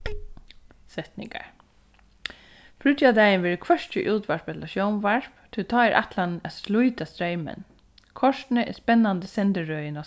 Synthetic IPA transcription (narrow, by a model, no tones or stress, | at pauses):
sɛht̪nɪ̰ŋka̰ɹ | fɾʏt̪jad̪æjənʋɛːɾəkʰvœʂt͡ɕəʔuːt̪ʋaɹpɛt̪laʃjɔwmʋaɹpt̪ʰɪlt̪ʰaːɛɹʔa̰t̪lanæðslʊjt̪ast̪ɾejmə̰n | kʰɔʂt̪nəʔɛ̰spɛnːand̪əsɛnt̪əɹœːjənɔ